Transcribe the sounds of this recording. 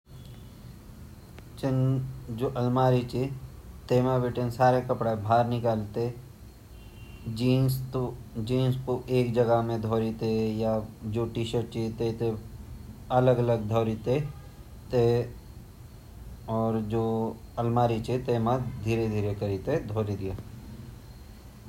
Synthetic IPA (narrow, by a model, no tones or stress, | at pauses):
t͡ʃɪnd͡ʒoːʔɐlmaːɾit͡ʃet̪eːmãbeʈensaːɾekəpɽabʱaːɾnɪkaːlt̪e | d͡ʒit̪d͡ʒiːnspoeːkd͡ʒəɡəɦmẽd̪ʱoːɾit̪ejad͡ʒoːʈiʃəʈ̚t͡ʃit̪et̪e | ɐləɡɐləɡ̚d̪ʱoːɾit̪e | t̪e | ɔːɾd͡ʒoː | ɐlmaːɾit͡ʃet̪eːmãd̪ʱiːɾed̪ʱiːɾekəɾit̪ed̪ʱoːɾid̪ijaː